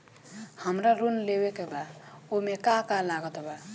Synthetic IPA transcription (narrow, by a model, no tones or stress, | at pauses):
həmɾaɾunlebekebaomekakallaɡət̪ba